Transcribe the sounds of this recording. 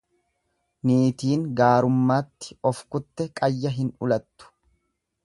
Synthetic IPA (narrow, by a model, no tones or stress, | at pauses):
niːt̪iːŋɡaːɾʊmːaːt̪ːɪ̥ɔfkʊt̪ːɛkʼɐjːɐɦɪnʊlɐt̪ːʊ̥